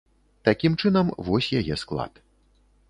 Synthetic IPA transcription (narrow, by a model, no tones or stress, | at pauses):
t̪akʲimt͡ʂɨnɐmvɔsʲjajɛsklˠa̰t̪